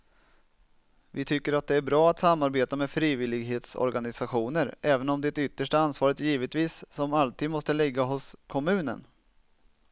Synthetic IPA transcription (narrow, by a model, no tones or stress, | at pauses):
vɪt̪ʰʏkːəɾat̪̚d̪ɛæɾbɾɑːat̪samːaɾbeːt̪ameːfɾiːvɪlɪɡɦeːt̪sɔ̰ɾɡanɪsaɧuːnəɾɛːvənɔmd̪ɛt̪ʏt̪ːəʂʈaansvɑːɾət̪jiːvət̪viːsːɔmalt̪ʰiːd̪mɔst̪əlɪɡːaɦʊskʰɔmʉ̟ːnə̰n